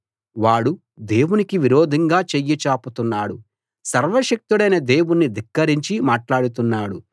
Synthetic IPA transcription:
ʋaːɽu | d̪e̞ːwunikiʋiɾoːd̪ʱɐŋɡaːt͡ʃejːit͡ʃaːput̪unːaːɽu | sɐɾʋɐʃɐk̚t̪uɽɐjnɐd̪e̞ːwunːid̪ikːɐɾiɲt͡ʃimaːʈlaːɽut̪unːaːɽu

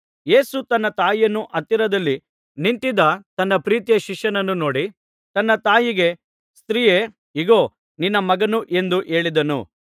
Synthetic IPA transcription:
je̞ːsut̪ɐnːɐt̪aːjɐnːuʔɐt̪ːiɾɐd̪ɐlːi | nint̪id̪ɐt̪ɐnːɐpɾiːt̪ijɐʃiʂɐnɐnːuno̞ːɽi | t̪ɐnːɐt̪aːjiɡe̞ | st̪ɾiːje | iɡoː | ninːɐmɐɡɐnuʔe̞nd̪uʔe̞ːɭid̪ɐnṵ

